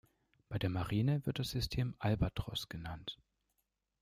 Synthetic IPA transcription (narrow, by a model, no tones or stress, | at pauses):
b̥aɪdeːɐmaʁiːnəvɪɐt̚d̥asz̥ʏstʰeːmʔalbatʁ̥ɔ̰sɡ̥ənant